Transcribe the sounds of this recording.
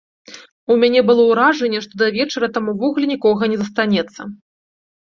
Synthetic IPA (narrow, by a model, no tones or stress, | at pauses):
umʲanʲɛbɨlˠɔwɾaʐɛnʲːɛʂt̪ɔd̪ɐvʲɛt͡ʂɐɾɐt̪amuvɔɣulʲɛnʲikɔɣɐnʲɛzɐst̪anʲɛt̪sːɐ